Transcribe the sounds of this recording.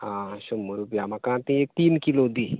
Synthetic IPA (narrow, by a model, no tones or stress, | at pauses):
ãɕumːuɾupiamakãt̪ĩek̚t̪iːnkilod̪i